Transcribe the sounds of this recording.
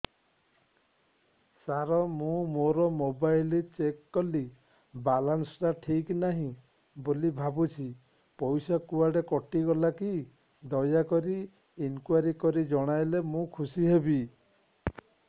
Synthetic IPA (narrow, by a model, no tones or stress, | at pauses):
saɾɔmũmoɾɔmobajlit͡ʃekːɔli | balansɔɾaʈʰiknaɦĩ | bolibʱabut͡ʃʰi | pɔjsakuaɽekɔʈiɡɔlaki | d̪ɔjakɔɾiː | nkuwaɾikɔɾid͡ʒɔɽ̃ajlemũkʰusiɦebi